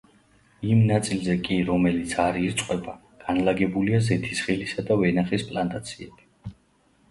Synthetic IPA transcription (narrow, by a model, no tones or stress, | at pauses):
imnat̪sʼilzɛkʼiɾɔmɛlit̪sʰaɾiɾt̪sʼqʼwɛba | ɡ̥anlaɡɛbuliazɛt̪ʰisχɛlisad̪avɛnaχispʼlant̪ʼat̪sʰiɛb̥i